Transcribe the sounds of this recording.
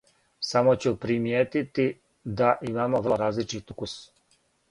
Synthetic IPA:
samot͡ɕupɾimjeːt̪it̪i | d̪aʔimaːmoʋrɾaːzlit͡ʃit̪ukus

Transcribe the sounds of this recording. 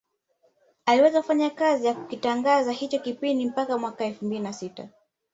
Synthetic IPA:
aliwɛzaufaɲakazijaku̥kitaŋɡazahit͡ʃɔkipindim̩pakamwakaɛlfumbilinasita̰

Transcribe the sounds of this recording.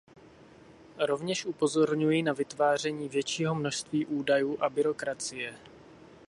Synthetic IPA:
ɾo̞vɲɛʃʔupo̞zo̞ɾɲujɪnavɪt̪vaːr̝ɛɲiːvjɛt͡ʃiːɦo̞mnoʃst̪viːʔuːdajuːʔabɪɾo̞kɾat͡sɪjɛ

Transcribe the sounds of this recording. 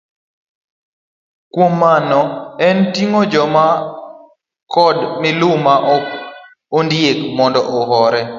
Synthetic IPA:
kwomːanɔɛntiŋod͡ʒɔma | kɔdmɪlʊmaʔ | ondjekmɔndɔʔɔɦɔɾɛ

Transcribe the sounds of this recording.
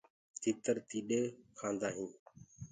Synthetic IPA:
t̪iːt̪əɾt̪iːɗeːkʰãːnd̪aːɦĩː

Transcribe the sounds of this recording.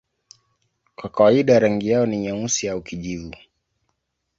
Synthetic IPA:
kwakawaiɗaɾaŋɡijaɔniɲausiaukiʄivu

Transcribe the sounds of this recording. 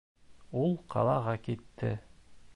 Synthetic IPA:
ulˠqʰɑ̰lˠɑʁɑkit̪ːɘ

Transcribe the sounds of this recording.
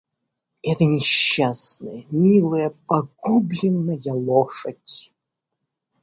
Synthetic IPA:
ɛt̪ənʲɪɕːasnəjəmʲilˠɨjəpɐɡublʲɪnːəjɐlˠoʂətʲ

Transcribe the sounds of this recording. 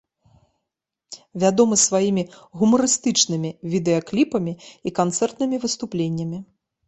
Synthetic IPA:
vʲad̪ɔmɨsvajimʲiɣumɐɾɨst̪ɨt͡ʂnɨmʲivʲid̪ɛɐklʲipɐmʲiikant̪sɛrt̪nɨmʲivɨst̪uplʲenʲːɐmʲi

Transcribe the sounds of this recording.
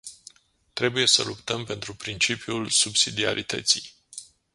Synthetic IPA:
t̪ɾe̞buje̞sə̰lupt̪əmpe̞nt̪ɾupɾint͡ʃipiulsubsid̪ia̰ɾʔḭt̪ə̰t̪sij

